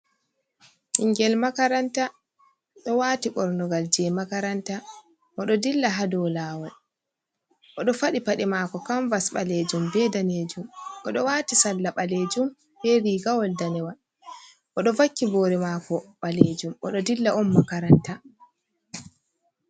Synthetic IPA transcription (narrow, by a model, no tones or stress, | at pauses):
ʔiŋɡɛlmakaɾanta | ɗɔwatiɓɔɾnɔɡald͡ʒɛmakaɾanta | ʔɔɗɔdilːaɦadɔlaːwal | ʔɔɗɔfaɗipaɗɛmaːkɔkaɱvasɓaled͡ʒumbɛdaneːd͡ʒumʔɔɗɔwatisalːaɓaled͡ʒum | bɛɾiɡawɔldanɛwan | ʔɔɗɔvakːiboːɾɛmaːkɔɓaled͡ʒumʔɔɗɔdilːaɔnmakaɾanta